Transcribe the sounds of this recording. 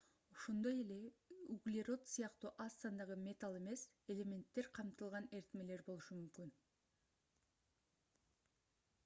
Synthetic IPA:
oʃond̪ɑje̞le̞uɡlʲeɾo̞t̪sijɑqt̪uʔɑsːɑnd̪ɑʁəmʲe̞t̪alˠe̞me̞s | e̞le̞me̞nt̪ːe̞ɾqʰɑmt̪əlˠʁɑne̞ɾt̪me̞le̞ɾbo̞lˠuʃəmʏmkʲɪn

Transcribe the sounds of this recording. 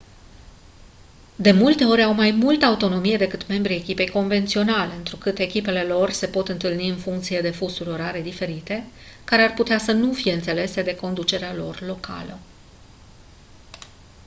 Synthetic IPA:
d̪e̞mult̪e̞o̞ɾʲawmajmult̪əaut̪o̞no̞mije̞d̪e̞kɨt̪me̞mbɾiekʲipe̞jko̞nve̞nt̪sio̞nale̞ɨnt̪ɾukɨt̪e̞kʲipe̞le̞lo̞rse̞po̞t̪ɨnt̪ɨlniɨnfuŋkt̪sije̞d̪e̞fusuɾʲoɾaɾe̞d̪ife̞ɾit̪e̞kaɾe̞arput̪easənufije̞ɨnt̪se̞le̞se̞d̪e̞ko̞nd̪ut͡ʃe̞ɾealo̞̰rlo̞kʰa̰lə

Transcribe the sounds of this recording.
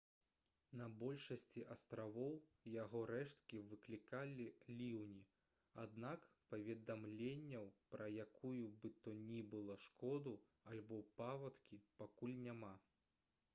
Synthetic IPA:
nɐbɔlʲʂɐsʲt͡sʲiʔɐst̪ɾavɔwjaɣɔɾɛʂt̪kʲivɨklʲikalʲilʲiwnʲi | a̰d̪nakpɐvʲɛd̪amlʲenʲːɐwpɾɐjakʰujubɨt̪ɔnʲibɨlˠɐʂkɔd̪u | alʲbɔpavɐt̪kʲipakulʲnʲama

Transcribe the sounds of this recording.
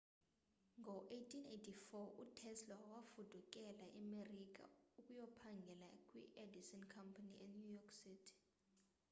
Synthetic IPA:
ŋɡʱɔʔejtʰinejtʰifɔutʰɛslɔwafud̥ʱuk̬ʼɛlaʔɛmerik̬ʼa̰ukʼujɔpʰaŋɡʱɛlakʼwḭʔedisɔnkʰampʰaniʔɛnjujɔksitʰi̥

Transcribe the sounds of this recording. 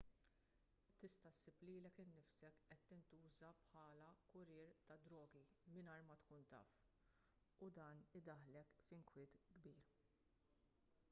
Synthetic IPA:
t̪ɪst̪ɐsɪpliːlɛkɪnːɪfsɛkʔɛt̪ːɪnt̪uːzɐpħɐːlɐkʊɾɪːɾt̪ɐd̪ɾɔːɡimɪnɐːɾmɐt̪kuːnt̪ɐ̰ːf | ʊd̪ɐːnɪd̪ɐħlɛkfɪŋkwɪːt̪ɡbiːɾ

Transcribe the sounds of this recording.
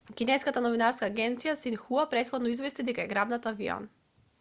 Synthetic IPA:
kinɛjskat̪anɔvinaɾskaːɡɛnt̪sijasinxuapɾɛt̪xɔd̪nɔizvɛst̪id̪ɛkaɛɡɾabnat̪aviɔ̰n

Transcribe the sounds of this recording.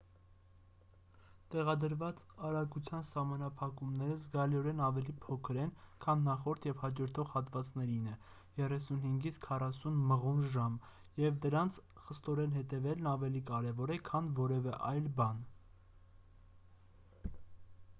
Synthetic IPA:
t̪ɛʁɑd̪əɾvɑt͡sɑɾɑɡut͡sʰjɑnsɑhmɑnɑpʰɑkumnɛɾəzɡɑliɔɾɛnɑvɛlipʰɔkʰəɾɛnkʰɑnːɑχɔɾt̪ʰjɛvhɑd͡ʒɔɾt̪ʰɔʁhɑt̪vɑt͡snɛɾinɛ | jɛrɛsunhiŋɡit͡sʰkʰɑrɑsunməʁunʒɑm | jɛvd̪əɾɑnt͡sʰχəst̪ɔɾɛnɦɛt̪ɛvɛlnɑvɛlikɑɾɛvɔɾɛkʰɑnvɔɾɛvɛʔɑjlbɑn

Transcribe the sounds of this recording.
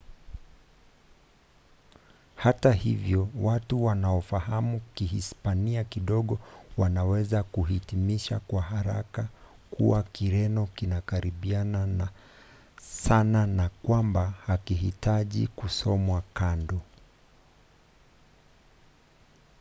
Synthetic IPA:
hatahivjɔwatuwanaɔfaɦamukihḭspaniakiɗɔɠɔwanawɛzakuhitimiʃa̰kwaɦaɾa̰ka | kʰṵwakiɾɛnɔkinakaɾiɓiana | sananakwambahakiɦitaʄḭkusɔmwakandɔ

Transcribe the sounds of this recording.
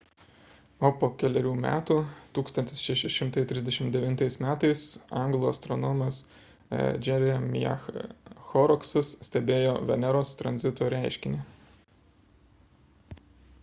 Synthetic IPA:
oːpoːkʲɛlʲɛɾʲuːmʲæ̰ːt̪uːt̪uːkst̪ɐnʲt̪ʲɪsʃʲɛʃʲɪʃʲɪmt̪ɐɪt̪ʲɾʲɪzd̪ʲɛʃʲɪmt̪d̪ʲɛʋʲɪnt̪ɐɪsmʲæːt̪ɐɪsɑŋɡlˠoːɐst̪ɾɔnɔmɐs | d͡ʒʲɛɾʲɛm̰ʲjɛ̰ | xɔɾɔksʊssʲt̪ʲɛbʲeːjoːʋʲɛnʲɛɾoːst̪ɾɐ̰nʲzʲɪt̪oːɾʲæˑɪʃʲkʲɪnʲɪ

